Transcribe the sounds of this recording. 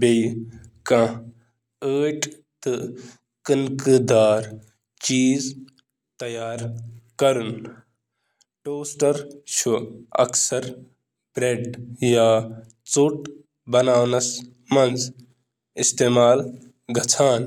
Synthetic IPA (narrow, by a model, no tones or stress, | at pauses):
bej | kã | əːʈ | t̪ɨ | kɨnkɨd̪aːɾ | t͡ʃiːz | t̪ɐjaːɾkɐɾun | ʈoːsʈɐɾʃʰuɐ̰ksɐɾ | bɾeɖjaː | t͡suʈ | bɐnaːwnɐs | mɐnz | ist̪eːmaːl | ɡʱɐt͡sʰaːn